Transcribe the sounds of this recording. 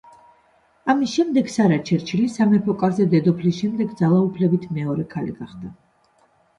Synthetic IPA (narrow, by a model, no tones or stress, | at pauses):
amisʃɛmd̪ɛɡsaɾat͡ʃʰɛɾt͡ʃʰilisamɛpʰɔkʼazɛd̪ɛd̪ɔpʰlisʃɛmd̪ɛɡd̪zalˠaupʰlɛbit̪ʰmɛɔɾɛkʰalḭɡaχd̪a